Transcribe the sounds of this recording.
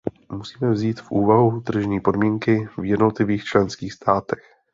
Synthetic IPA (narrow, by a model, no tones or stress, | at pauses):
musiːmɛvziːt̪fʔuːvaɦut̪r̩ʒɲiːpo̞dmiːŋkɪvjɛdnot̪lɪviːxt͡ʃlɛnskiːxst̪ʰaːt̪ɛx